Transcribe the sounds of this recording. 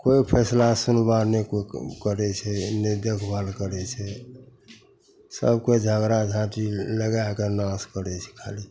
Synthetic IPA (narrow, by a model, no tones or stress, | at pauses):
koipʰɛslasunbaɾnekokəɾɛt͡ʃʰɛned̪ekʰbalkəɾɛt͡ʃʰɛ | sə̰bked͡ʒʱəɡɾad͡ʒʱãʈiləɡakənãskəɾɛt͡ʃʰɛ̥kʰa̰li